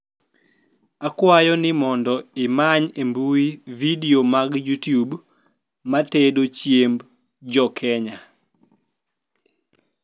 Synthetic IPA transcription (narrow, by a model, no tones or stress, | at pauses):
akwajɔnɪmɔndɔɪmaɲembuividiomaɡjutjub | matedot͡ʃjemb | d͡ʒɔkʰɛɲa